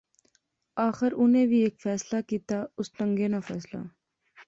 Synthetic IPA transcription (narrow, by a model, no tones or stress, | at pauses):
aːxɪɾʊnẽbʱiːeːkfɛːslakiːt̪aːʊsʈ̪əŋɡeːnafɛːsla̰ː